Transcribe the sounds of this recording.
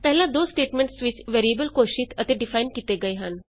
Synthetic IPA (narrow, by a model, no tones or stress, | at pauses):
t̪ɛɦlad̪osʈeʈmẽɳʈsʋit͡ɕʋeɾiebəlkoɕiːt̪ət̪eɖifainkit̪eɡəjɦan